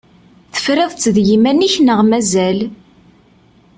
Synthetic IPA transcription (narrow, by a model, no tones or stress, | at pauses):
θə̥fɾɪðˤt͡sːðjimænːiçnəʁmæzæl